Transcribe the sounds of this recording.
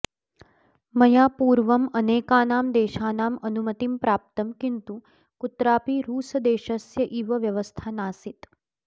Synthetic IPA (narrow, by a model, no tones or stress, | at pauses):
mɐjaːpuːɾʋɐmɐneːkaːnaːmd̪eːʃaːnaːmɐnumɐt̪impɾaːp̚t̪ɐmkint̪u | kut̪ɾaːpiɾuːsɐd̪eːʃɐsjɐʔiʋɐʋjɐʋɐst̪ʰaːnaːsit̪